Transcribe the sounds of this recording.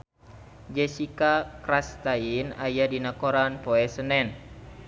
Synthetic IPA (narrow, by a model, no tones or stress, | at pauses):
d͡ʒɛsikakɾast̪ainajadinakoɾanpɔɛsənɛn